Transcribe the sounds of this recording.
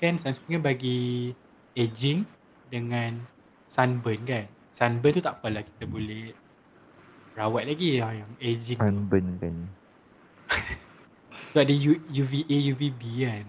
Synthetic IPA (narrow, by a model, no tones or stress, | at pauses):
kansanskĩŋanbaɡi | ed͡ʒĩŋ | dəŋãn | sanbənkan | sanbənt̪ut̪aʔpəlaki̥t̪abolɛh | ɹawat̪̚laɡiajaŋed͡ʒĩŋanbənkan | soadəjujuviʔejuvibikan